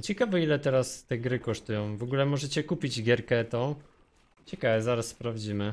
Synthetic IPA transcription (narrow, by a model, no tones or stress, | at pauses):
t͡ɕɛkavɛilɛt̪ɛɾast̪ɛɡɾɘkɔʂt̪ujɔ̃w̃vɔɡulɛmɔʐɛt͡ɕɛkupʲid͡ʑɡʲjɛɾkɛt̪ɔ̃ | t͡ɕɛkavɛzaɾasːpɾavd͡ʑimɘ